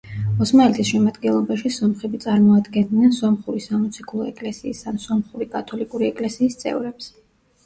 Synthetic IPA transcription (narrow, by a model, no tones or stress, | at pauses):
ɔsmaɛlɛt̪ʰisʃɛmad̪ɡɛnlˠɔbaʃisɔmχɛbit̪sʼaɾmɔad̪ɡɛnd̪nɛnsɔmχuɾisamɔt̪sʰikʰlˠɔɛ̰kʼlɛsiːsansɔmχuɾikʼat̪ʰɔlikʼuɾiɛkʼlɛsiːst̪sʼɛ̰vɾɛps